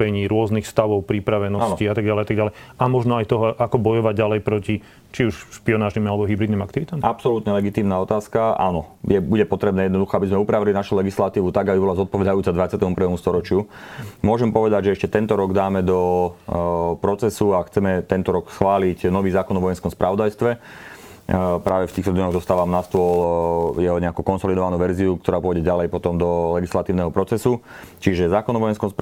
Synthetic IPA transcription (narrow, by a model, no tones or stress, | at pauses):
pɛɲiːɾʊɔznixst̪aʋɔʊpɾipɾaʋɛnɔasnɔciat̪aɡɟalɛjat̪aɡɟalɛjamɔʒnɔajt̪ɔɦɔʔakɔbɔjɔʋaɟɟalɛjpɾɔci | t͡ʃiuʃʃpiɔnaːʒnimalɛbɔɦibɾid̪nimakt̪iʋit̪amapsɔlut̪ɲɛlɛɡit̪iːmnaːɔt̪aːskaʔa̰nɔjɛbuɟɛpɔt̪ɾɛbnɛːjɛd̪nɔd̪uxɔabizmɛupɾaʋilinaʃulɛɡislat̪iːʋut̪aɡabibɔlazɔt̪̚pɔʋɛd̪ajuːt͡sad̪ʋat͡sɪat̪ɛmuprʋɛːmust̪ɔɾɔt͡ʃɪumʊɔʒɛmpɔʋɛd̪aɟʒɛɛʃcɛt̪ɛnt̪ɔɾɔɡd̪aːmɛd̪ɔ | pɾɔt͡sɛsuaxt͡sɛmɛt̪ɛnt̪ɔɾɔksxʋaːlicnɔʋiːzaːkɔnɔʋɔjɛnskɔmspɾʔaʋɔd̪ajst̪ʋɛ | pɾaːʋɛft̪iːxt̪ɔd̪ɲɔɣd̪ɔst̪aːʋamnast̪ʊɔljɛɦɔɲɛakukɔnsɔlid̪ɔʋanuːʋɛɾziuk̚t̪ɔɾaːpʊɔɟɛɟalɛjpɔt̪ɔmd̪ɔlɛɡislat̪iʊnɛɦɔpɾɔt͡sɛsut͡ʃiʒɛzaːkɔnɔʋɔjɛnskɔms